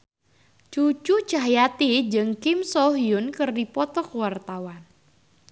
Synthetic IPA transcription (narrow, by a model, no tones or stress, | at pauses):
t͡ʃut͡ʃut͡ʃaɦjat̪id͡ʒɨŋkɪmsɔɦijʊnkɨrdipɔt̪ɔkuwart̪awan